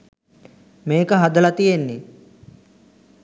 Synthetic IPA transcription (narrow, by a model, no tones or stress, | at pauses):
meːkəɦɐd̪ɐlɐt̪ijenːi